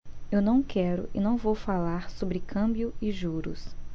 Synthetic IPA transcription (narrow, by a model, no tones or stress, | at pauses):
ewnɐ̃w̃kɛɾʊ̰ʔɪ̰nɐ̃w̃vowfalaɾsobɾɪkʰɐ̃mbjʊɪʒuɾʊ̰s